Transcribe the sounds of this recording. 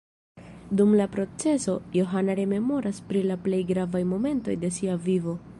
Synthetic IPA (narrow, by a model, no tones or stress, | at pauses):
dumlapɾo̞t͡se̞so̞jo̞ɦanaɾe̞me̞mo̞ɾʔaspɾilaple̞jɡɾavajmo̞me̞nto̞̰jde̞siavivo̞